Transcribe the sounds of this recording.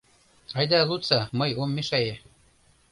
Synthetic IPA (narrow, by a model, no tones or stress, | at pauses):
ɑjd̪ɑlut̪t͡sɑmɤ̆jomːeʃæjĕ